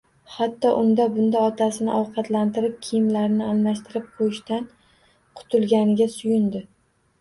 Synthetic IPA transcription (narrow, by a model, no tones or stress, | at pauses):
hat̪ʰːɒʔʊnd̪abʊnd̪aɒt̪ʰasɪnɪʔɒwqʰɑt̪lant̪ɪɾɪp̚kʲʰɪjɪmlaɾnɪalmaʃt̪ʰɪɾɪp̚qʰojɪʃt̪an | qʰʊ̥t̪ʰʊlˠɡʲanɪɡʲasʊjʊnd̪ɪ